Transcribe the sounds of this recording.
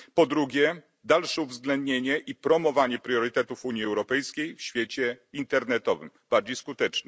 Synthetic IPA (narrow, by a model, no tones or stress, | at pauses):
pɔd̪ɾuɡʲjɛ | d̪alʂɛuvzɡlɛnd̪ɲeɲɛʔipɾɔmɔvaɲɛpɾʲjɔɾɘt̪ɛt̪ufuɲjiɛwɾɔpɛjskʲejfɕfʲjet͡ɕɛint̪ɛɾnɛt̪ɔvɘ̰mb̥aɾd͡ʑejskut̪ɛt͡ʂnɛ